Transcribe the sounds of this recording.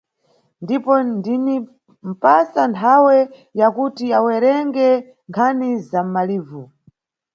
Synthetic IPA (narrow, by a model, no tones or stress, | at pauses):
ndipɔndini | m̩pasantʰawɛ | jakutiawɛɾɛŋɡɛ | ŋkʰanizam̩maliːvu